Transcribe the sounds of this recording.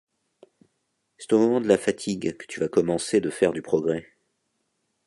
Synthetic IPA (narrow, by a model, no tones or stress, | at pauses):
sɛ̥t̪omɔmɑ̃d̪əlafat̪ʰiɡkə̥t̪yvakɔmɑ̃sed̪əfɛʁd̪ypχɔɡʁɛ